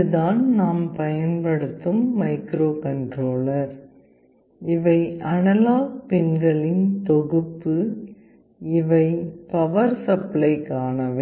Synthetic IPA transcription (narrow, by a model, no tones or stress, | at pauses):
ɯðaːnnaːmpɐjɐnpɐɽɯt̪ːɯmːɐɪkɾoːkɐɳɖɾoːlɐɾ | ɪʋɐɪʔɐnɐlaːpɪnɡɐɭɪnt̪ɔɣɯpːɯ | ɪʋɐɪpɐʋɐɾsɐplɐɪkaːnɐʋe